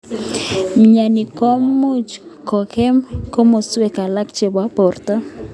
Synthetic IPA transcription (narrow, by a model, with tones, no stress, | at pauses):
ɲa˨ni˨ko˦mu˦t͡ʃkɔ˨ke˦mko˦mo˨swe˦ka˨la˦kt͡ʃe˦˨ba˦pɔ˨rt̪a˦